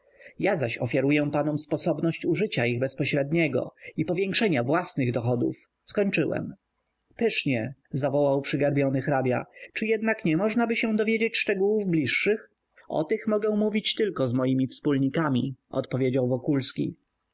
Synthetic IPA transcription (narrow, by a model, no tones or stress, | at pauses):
jazaɕɔ̰fʲjaɾujɛpanɔmspɔsɔbnɔɕt͡ɕuʐɘt͡ɕaiɣbɛspɔɕɾɛd̪ɲɛɡɔ̰ipɔvʲjɛŋkʂɛɲavwasnɘɣd̪ɔxɔd̪ṵf | skɔɲt͡ʂɘwɛ̰m | pɘʂɲɛzavɔwawpʂɘɡaɾbʲjɔnɘxɾabʲja̰t͡ʂɘjɛd̪nakɲɛmɔʐnabɘɕɛw̃d̪ɔvʲjed͡ʑet͡ɕʂt͡ʂɛɡuwuvblʲiʂːɘx | ɔ̰t̪ɘxmɔɡɛw̃muvʲit͡ɕt̪ɘlkɔzmɔjimʲifspulɲikamʲiɔ̰t̪pɔvʲjed͡ʑawvɔkulskʲḭ